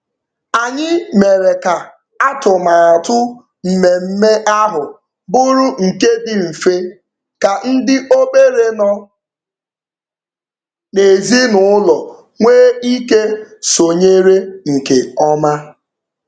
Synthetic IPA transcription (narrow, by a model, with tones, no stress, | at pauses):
a˨ɲɪ˦me˨ɾe˨ka˨ | a˦tʊ˨ma˨a˨tʊ˦ | m̩˨me˨m̩˦me˦ʔa˦ɦʊ˨ | bʊ˦ɾʊ˦ŋ̩˨ke˦dɪ˨m̩˨fe˦ | ka˨n̩˦dɪ˦ʔo˦be˦ɾe˦nɔ˦ | ne˨zi˦nʊ˨ʊ˦lɔ˨ | ŋʷeː˦i˦ke˦so˨ɲe˦ɾe˦ŋ̩˨ke˨ɔ˦ma˦